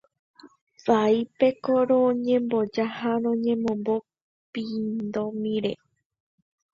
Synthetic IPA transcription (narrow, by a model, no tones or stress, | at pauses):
faipe̞koɾõɲẽ̞mbo̞d͡ʒahaɾõɲẽ̞mõ̞mbo̞ | pind̪omĩɾḛ